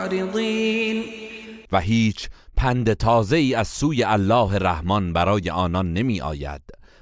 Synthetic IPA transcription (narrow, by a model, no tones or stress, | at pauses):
ɾiðˤiːnvæɦiːt͡ʃʰpʰænd̪e̞t̪ʰɒːze̞iːæz̥suːje̞ʔælːɒːɦe̞ɾæhmɒnbæɾɒːje̞ʔɒːnɒnːe̞miːʔɒ̰ːjæ̰d̪̥